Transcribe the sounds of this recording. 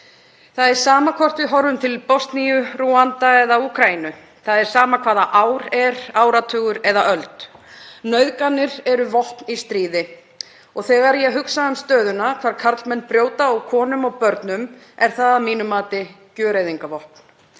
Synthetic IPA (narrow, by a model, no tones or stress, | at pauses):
θaðɛɾ̥saːmakʰɔr̥t̪vɪðɦɔɾvʏmt̪ʰɪlpɔst̪nijʏɾuːant̪aɛðauːkʰɾainʏ | θaðɛɾ̥saːmakʰv̥aːðaʔaːwɾɛɾaːwɾat̪ʰʏːɣʏɾɛðaʔœlt̪nœɥðkanːɪɾɛɾʏvɔhknist̪ɾiːðɪ | ɔɣθɛːɣaɾjɛɦʏksaʏmst̪œːðʏnakʰv̥aːɾkʰaɾt̪lmɛnːpɾjoːwt̪awkʰɔːnʏmɔwpœɾt̪nʏm | ɛɾ̥θaðamiːnʏmaːt̪ɪ | cœːɾejðiŋkavɔhk̚n̥